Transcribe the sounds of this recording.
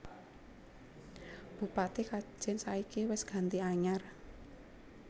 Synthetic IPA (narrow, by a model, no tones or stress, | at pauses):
b̥ṳpat̪ikḁʒ̥ɪnsaikiwɪsɡ̥a̤nt̪iaɲar